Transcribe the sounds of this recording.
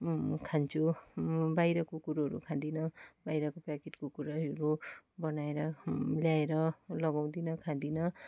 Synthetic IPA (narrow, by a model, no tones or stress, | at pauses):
kʰant͡sʰubajɾʌkokuɾaɦʌɾṵkʰãd̪inʌbajɾʌkopakeʈkokuɾaɾubʌnaeɾʌljaeɾʌlʌɡaw̃d̪inʌkʰãd̪inʌ